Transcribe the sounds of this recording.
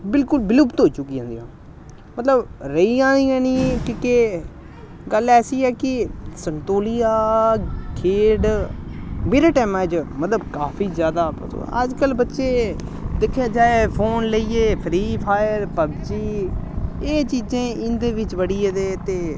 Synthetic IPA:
bɪlkʊlbɪlubt̪oːit͡ʃʊkːiːãːnd̪ijãː | mət̪ləbɾəiãːniːɛːnĩːkiːkeː | ɡəlɛːsiːɛːkɪsənt̪oːlijaː | kʰeːɖ | meːɾaːʈɛːmãːd͡ʒmət̪ləbkaːpʰiːzjaːd̪aːpəto̰ə̰d͡ʒkəlbətːʃeː | d̪ɪkʰːjaːd͡ʒaːeːpʰoːnləiːeːpʰɾiːpʰaːɪəɾpəbd͡ʒiː | eːt͡ʃiːzẽːɪnd̪eːʋɪt͡ʃʋəɽiːeːd̪eːt̪eː

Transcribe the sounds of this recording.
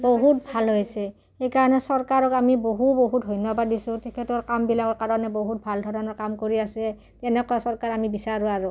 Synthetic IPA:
boɦutbʱalɦojsɛ | ejkaɹɔnɛsɔɹkaɹɔkamiboɦuboɦutɦɔjnɔbadisʊ̃tʰɛkʰɛtɔɹkambilakɔɹkaɹɔnɛboɦut̚bʱaldʱɔɹɔnɔɹkamkoɹiasɛ | tɛnɛkɔjasɔɹkaɹamibisaɹʊaɹʊ

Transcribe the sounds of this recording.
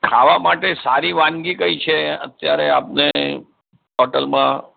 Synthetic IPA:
kʰaʋamaʈesaɾiʋãnɡikəit͡ʃʰeə̰t̪jaɾeap̚ne | ɦɔʈəlmã

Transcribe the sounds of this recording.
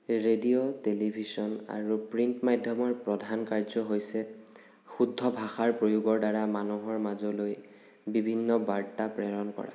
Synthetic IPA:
ɹediotelibʱisɔna̰ɹupɹintmajdʱjɔmɔɹpɹɔdʱankaɹzɔɦojsɛ | xudʱːɔbʱaxaɹpɹojuɡɔɹdaɹamanuɦɔɹmazɔloj | bibʱinːɔbaɹtapɹɛɹɔnkɔ̰ɹa̰

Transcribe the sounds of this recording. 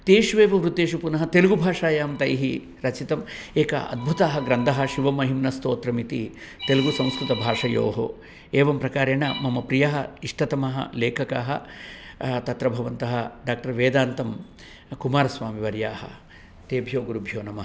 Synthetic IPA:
t̪eːʃʋeːʋɐʋɾut̪eːʃupunɐɦɐt̪eluɡubʱaːʂaːjaːmt̪ɐjɦi | ɾɐt͡ʃit̪ɐmeːkɐ̰ʔɐ̰d̪̚bʱut̪aːɦɐ̆ɡɾɐnd̪ʱɐɦɐ̆ʃiʋɐmɐɦimnɐst̪oːt̪ɾɐmit̪i | t̪eluɡusɐ̃w̃skɾut̪ɐbʱaːʂɐjo̰ːɦo̰ | eːʋɐmpɾɐkaːɾeːɳɐmɐmɐpɾijɐɦɐiʂʈɐt̪ɐmɐɦɐ̰leːkʰɐka̰ːɦɐ̰ | t̪ɐt̪ɾɐbʱɐʋɐnt̪ɐɦɐɖaːk̚ʈɐɾʋeːd̪aːnt̪ɐm | kumaːɾɐsʋaːmiʋɐɾjaːhɐ̰ | t̪eːbʱjoːɡuɾubʱjoːnɐmɐɦɐ

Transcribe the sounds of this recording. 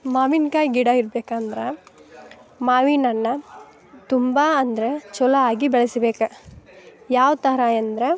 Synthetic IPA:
maːʋinkaːjɡiɽaiɾbeːkand̪ɾɐ | maːʋinɐnːɐ | t̪umbaːnd̪ɐɾet͡ʃɔlɐaːɡibɛɭɐsɐbeːkɐ | jaːʋt̪ɐɾaːjɐnd̪ɾe

